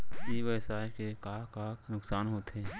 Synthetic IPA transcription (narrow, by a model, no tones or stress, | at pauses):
iʋəɪsaːkekaːkaːnʊksaːnɦoːt̪eː